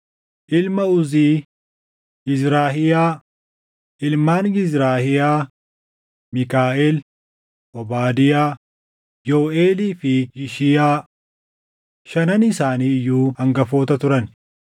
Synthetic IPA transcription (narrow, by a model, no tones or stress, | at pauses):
ʔɪlmɐʊziː | ɡɪzɾaːɦɪjaː | ʔɪlmaːnɡɪzɾaːhɪjaː | mɪkaːʔeːl | ʔɔbaːd̪ɪjaː | joːʔeːliːfɪjɪʃɪjaː | ʃɐnɐnɪsaːniːɪjːuːɐŋɡɐfo̞ːt̪ɐt̪ʊɾɐn